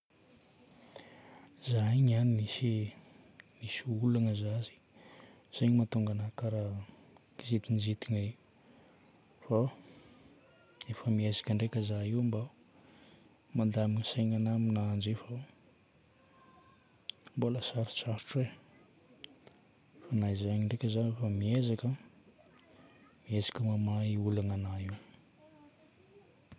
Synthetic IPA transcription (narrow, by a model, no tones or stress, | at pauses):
zaɲanimisi | misiulanəzazi̥ | z̥ajɲimat̪uŋɡanakaɾa | zit̪inizit̪ini | fa | efəmiezikʲəɳɖ͡ʐekəzaiwmba | mand̪aminisaŋanaminaand͡ʒefa | mboləsaɾi̥t͡saɾuʈ͡ʂwe | fanaizaaɲiɳɖ͡ʐekʲəzanefamiezakʲə | miezḁkʲəmamaiulaŋanaiw